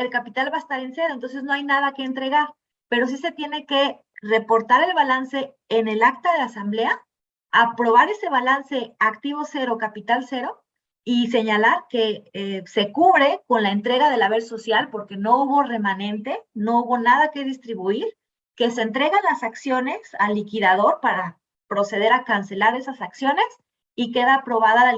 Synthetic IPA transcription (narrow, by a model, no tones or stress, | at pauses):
elkapit̪alβaest̪aɾense̞ɾoent̪o̞ns̬ezno̞ajnað̞ake̞ːnt̪ɾe̞ɣaɾ | pe̞ɾo̞s̬ise̞t̪je̞ne̞ke̞ | re̞po̞ɾt̪aɾe̞lβalanse̞ː | ne̞lak̚t̪aðe̞asamble̞a | apɾo̞β̞aɾe̞se̞βalanse̞akt̪iβ̞o̞se̞ɾo̞kapit̪alse̞ɾo̞ | ise̞ɲalaɾke̞ese̞kuβɾe̞ko̞nlaent̪ɾe̞ɣaðe̞laβe̞ɾso̞sjalpo̞ɾke̞no̞uβo̞re̞mãnẽ̞nt̪e̞no̞uβo̞naðake̞ðist̪ɾiβuiɾ | ke̞se̞ːnt̪ɾe̞ɣanlasaksjo̞ne̞salːikiðaðo̞ɾpaɾa | pɾo̞se̞ð̞e̞ɾakanse̞laɾe̞sasaksjo̞ne̞s | ike̞ðaːpɾo̞βaðal